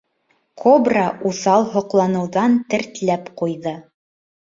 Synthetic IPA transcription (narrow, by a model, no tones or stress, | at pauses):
kʰobraʔuθɑlˠɦŏqlˠɑnɤ̆wðɑnt̪ɘ̆ɾt̪læpqujðɤ